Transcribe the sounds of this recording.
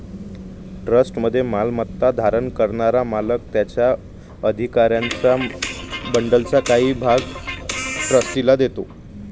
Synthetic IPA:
ʈɾəsʈməd̪ʱːjemalmət̪ːad̪ʱaɾənkəɾɳaɾamaləkt̪jat͡ɕja | əd̪ʱikaɾjant͡sa | bəɳɖəlt͡sakaɦiːbʱaɡ | ʈɾəsʈilad̪et̪o

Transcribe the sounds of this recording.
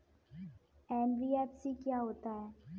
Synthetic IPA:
ɛ̃ːnʋiɛpsikjaɦoːt̪aɦɛː

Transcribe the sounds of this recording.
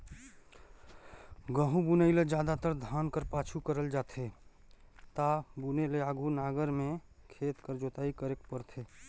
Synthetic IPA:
ɡəɦũbunəɪled͡ʒad̪at̪əɾd̪ʱankəɾpat͡ʃʰukəɾəld͡ʒat̪ʰe | t̪abuneleaɡʱunaɡəɾmẽ | kʰeːt̪kəɾd͡ʒot̪aikəɾekpəɾt̪ʰe

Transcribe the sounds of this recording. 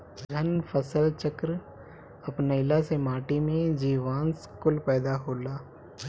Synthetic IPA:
ɡʱɐnpʰəsəlt͡ʃəkɾ | ɐpnəɪlasemaːʈimẽd͡ʒiːʋaːnskʊlpɛːd̪aɦoːlaː

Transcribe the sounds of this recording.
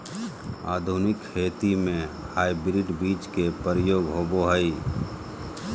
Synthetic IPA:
a̰ːd̪ʱʊnɪkkʰeːt̪imẽ | haːibɾɪʈbiːt͡ʃkepəɾjoːɡɦoːboɦəi

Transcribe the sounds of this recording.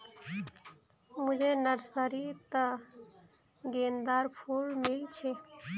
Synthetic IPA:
mud͡ʒʱenəɾsəɾit̪ə | ɡend̪aɾpʰulmilt͡ʃʰe

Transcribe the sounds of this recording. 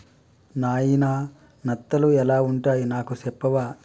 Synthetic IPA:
naːjinaː | nɐt̪ːɐluɛlaːuɳʈaːjinaːkusɛpːɐʋaː

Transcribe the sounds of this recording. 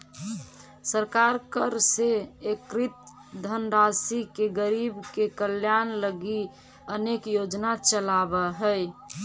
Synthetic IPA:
səɾkaɾkəɾseekɾit̪̚ | d̪ʱənɾasikeɡəɾibkekəljanləɡi | ənekjod͡ʒnat͡ʃəlabəɦəj

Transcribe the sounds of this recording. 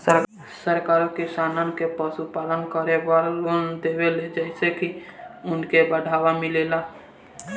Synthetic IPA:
sə | səɾkaːɾõkɪsaːnankepəsupaːlənkəɾeʋalond̪eːweled͡ʒɛɪsekiʊnkebəɖʱaːʋamɪleːlaː

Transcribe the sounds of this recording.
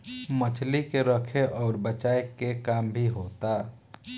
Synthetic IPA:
mət͡ʃʰlikeɾəkʰeʔɔːɾbət͡ʃaːekekaːmbʱiɦoːt̪aː

